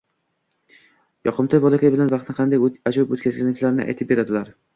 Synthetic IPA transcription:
jɒqʰɨmt̪ʰɒjbɒlˠakʲajbɪlanvɑqt̪nɪqʰɑnd̪ajad͡ʒʊbot̪kʲazlʲɪnɪkʲlaɾɪnɪ̰ʔa̰jt̪ʰɪp̚be̞ɾad̪ɪlaɾ

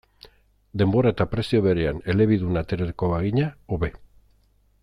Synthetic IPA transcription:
d̪e̞mbo̞ɾae̞t̪apɾe̞sio̞βe̞ɾeane̞le̞βiðunat̪e̞ɾeɾkoβaɣiɲaoβe̞

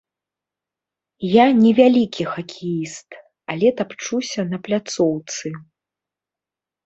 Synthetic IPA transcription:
janʲɛvʲalʲikʲixɐkʲʰɛjist̪ | alʲɛt̪apt͡ʂusʲɐnɐplʲat̪sɔwt̪sɨ

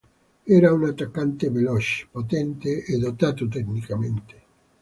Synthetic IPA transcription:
eɾaunat̪akant̪eβelɔʃpot̪ent̪eeðot̪at̪ut̪ɛknikamẽnt̪e̥

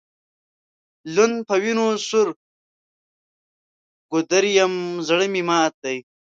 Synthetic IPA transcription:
lunpʰɐwinusuɾ | ɡ̥ud̪ɐɾjɐmzɐɽɐmimaːt̪̚ːɐj

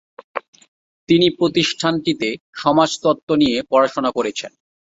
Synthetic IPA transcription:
t̪inipɾot̪iʃʈʰanʈit̪e | ʃɔmad͡ʑt̪ɔt̪ːonijepɔɾaʃonakoɾet͡ɕʰen

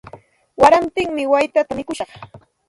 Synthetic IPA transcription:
waɾamt̪ɪŋmɪwajt̪at̪amɪkʊʃɑχ

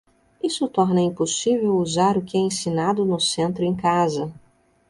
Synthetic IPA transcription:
isʊt̪ɔɾnɐĩposivewuzaɾʊkɪɛẽsinad̪ʊnʊsẽnt̪ɾʊẽj̃kazɐ

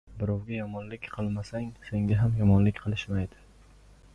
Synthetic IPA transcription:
bɪɾɒwɡʲajɒmɒnlɪkʲqʰɨlˠmasaŋse̞ŋɡʲaɦamjɒmɒnlɪkʲqʰɨlˠɪʃmajd̪ɪ

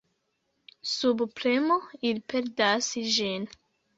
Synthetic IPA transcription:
subpɾemoilpeɾdasʒin

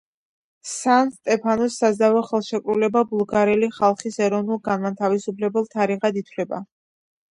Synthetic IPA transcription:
sanst̪ʼɛpʰanɔsːazavɛχɛlˠʃɛkʼɾulɛbabulˠɡaɾɛliχalˠχisɛɾɔnulˠɡanmat̪ʰavisupʰlɛbɛlˠt̪ʰaɾiʁad̪it̪ʰwlɛba̰

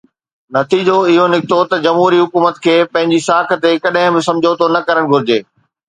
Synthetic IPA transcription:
nɐt̪ʰiːd͡ʑoɪɦonɪkʰɪt̪ot̪ɐd͡ʑɐmɦuːɾiɦʊkuːmət̪kʰeːpɐ̃ɦɪ̃ɲd͡ʑisaːk̆ʰt̪ekɐɗɦɪ̃bɪ̃sɐ̃md͡ʑʱot̪ʰonɐkɐɾəɽ̃ɡʱʊɾɪd͡ʑeː

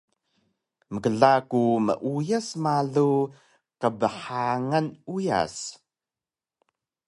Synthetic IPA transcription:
məkəɮakumə̰ʔujəsmaɮu | qəbəħaŋənuja̰s

